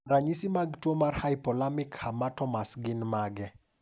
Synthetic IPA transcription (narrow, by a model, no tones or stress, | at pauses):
ɾaɲisimaɡtwomarhajpɔlamɪkhamatɔmasɡɪnmaɡɛ